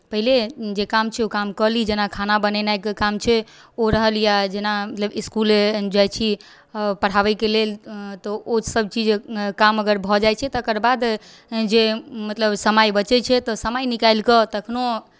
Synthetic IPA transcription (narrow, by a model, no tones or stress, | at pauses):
pəɦiled͡ʒekamt͡ʃʰɛokamkəɾlid͡ʒenakʰanabənɛnajkkamt͡ʃʰɛoɾəɦəljad͡ʒenamət̪ləbiskuled͡ʒajt͡ʃʰi | pəɽ̤aʋɛkelelt̪ɔosəb̚t͡ʃid͡ʒkaməɡəɾbʱɔd͡ʒajt͡ʃʰɛt̪ɔːkəɾbad̪ | d͡ʒemət̪ləbsəmajbət͡ʃɛt͡ʃʰɛt̪ɔsəmajnikajlkət̪əkʰno